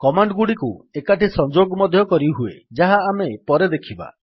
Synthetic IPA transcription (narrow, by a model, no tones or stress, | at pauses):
kɔmaɳɖɡuɽikuekaʈisɔnd͡ʒoɡmɔd̪ʱjɔkɔɾiɦuḛd͡ʒaɦaːmepɔɾed̪ekʰiba̰